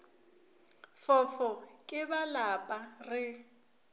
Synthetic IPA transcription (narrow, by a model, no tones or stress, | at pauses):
fɔfɔkʼɪbalapʼarɪ